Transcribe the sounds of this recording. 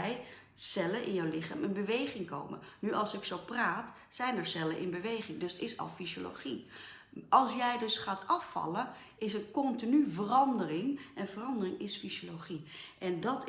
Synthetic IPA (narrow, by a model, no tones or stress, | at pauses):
j | sɛlənʔɪ̰njəwlɪχa̰ːmənbəʋejχɪŋko̰wmə̰nyʔɑlˠsɪksowpraːt | sɛjnɛɹsɛlənʔɪ̰nbəʋejχɪŋdɵsɪsɑ̰lˠfizolo̰χi | ɑlˠsjɛjdɵsχaːtɑfːɑ̰lə | ɪs̬ənkɔntinyvərɑndərɪŋɛnvərɑndərɪŋɪsfizoloχiʔɛndɑt